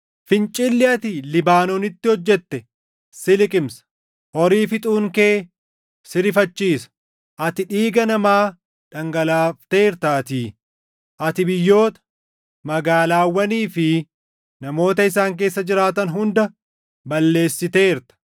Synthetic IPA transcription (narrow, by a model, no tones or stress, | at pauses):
fɪnt͡ʃʼɪlːɪɐt̪ɪlɪbaːnɔnɪt̪ːɪhɔd͡ʒːɛt̪ːɛ | sɪlɪkʼɪmsɐ̥ | ɔɾiːfɪt̪ʼuːŋke̞ː | sɪɾɪfɐt͡ʃːiːsɐ̥ | ʔɐt̪ɪᶑiːɡɐnɐmaː | ᶑɐŋɡɐlaːft̪e̞ːɾt̪aːt̪iː | ʔɐt̪ɪbɪjːo̞ːt̪ɐ̥ | mɐɡaːlaːwːɐniːfɪ | nɐmo̞ːt̪ɐɪs̬aːŋk̬e̞ːsːɐd͡ʒɪɾaːt̪ɐnɦʊnd̪ɐ | bɐlːe̞ːsːɪt̪e̞ːɪɾt̪ɐ̥